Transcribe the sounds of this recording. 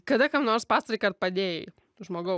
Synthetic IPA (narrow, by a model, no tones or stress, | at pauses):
kɐd̪ɐkɐmnoːɾspɑːst̪ɐɾɐɪkɐrt̪̚pɐd̪ʲeːjɪ | ʒmoːɡɐʊ